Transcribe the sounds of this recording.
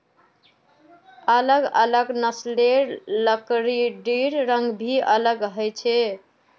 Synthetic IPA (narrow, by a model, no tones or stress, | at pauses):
ələɡə̰ləɡnəsleɾləkɾiɖiɾɾəŋɡbʱiʔələɡɦəjt͡ʃʰe